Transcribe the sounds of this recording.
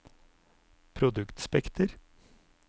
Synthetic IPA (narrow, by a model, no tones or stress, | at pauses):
pʰɾʊd̪ʉkt̪spɛkt̪əɾ